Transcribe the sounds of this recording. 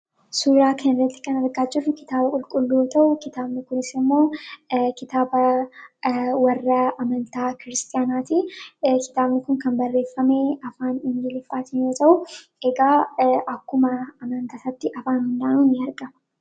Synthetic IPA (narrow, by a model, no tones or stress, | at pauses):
suːɾaːkʰɐnɪɾɐt̪ːɪ̥kɐnɐɾɡaːd͡ʒɪrːʊkɪ̥t̪aːbɐkʼʊlkʼʊlːoːt̪ʰɐʔʊkɪt̪aːbnɪkʊnɪsɪmːo̞ːkɪt̪aːbɐ | wɐrːɐɐmɐnt̪aːkɪɾɪst̪ʼɪjaːnaːt̪iːkɪ̥t̪aːbnɪkʊnkɐnbɐrːe̞ːfːɐmeɐfaːnɪnd͡ʒɪlɪfaːt̪ɪnjoːt̪ʼɐʔʊ | ɛɡaːʔɐkːʊmɐɐmɐnt̪ɐsɐt̪ːɪʔɐfaːnhʊnd̪aːnuːnːɪɐɾɡɐmɐ̥